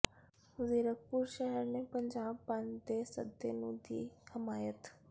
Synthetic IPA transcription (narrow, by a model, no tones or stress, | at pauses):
zeːɾək̚puɾʃɛɦɛɾnepəɲd͡ʒaːb̚ːãnd̪esə̰d̪enũd̪ʱḭhɪmaːjət̪